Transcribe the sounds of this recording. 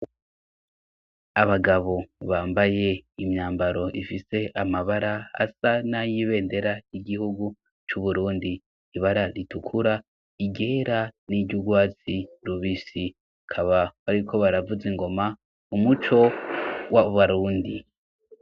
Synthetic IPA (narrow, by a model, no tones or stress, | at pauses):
aβaɡaβo̞βaːmbaje̞imɲaːmbaɾo̞ʔifise̞ʔamaβaɾaa̰sanajiβe̞ːnde̞ɾaiɡihuɡu | t͡ʃuβuɾuːndi | iβaɾaɾitukʰuɾa | iɡe̞ːɾaniɟɟuɡwaːt͡siɾuβisi | akʰaβaβaɾikʰo̞βaɾavuzeŋɡo̞ma | umut͡ʃo̞waβaɾuːndi